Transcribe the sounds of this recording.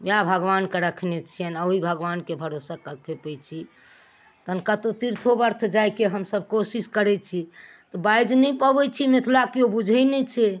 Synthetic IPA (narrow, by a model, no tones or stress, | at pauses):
mabʱəɡʋankeɾəkʰnet͡ʃʰijənaɦibʱəɡʋankebʱəɾosakəɾkʰepɛjt͡ʃʰi | t̪ənkat̪ot̪iɾt̪ʰobəɾt̪ʰd͡ʒajkeɦəmsəb̚ʱkosiskəɾɛt͡ʃʰi | t̪ɔbajd͡ʒnɛpəbɛt͡ʃʰimet̪ʰlakobud͡ʒʱɛjnɛt͡ʃʰɛ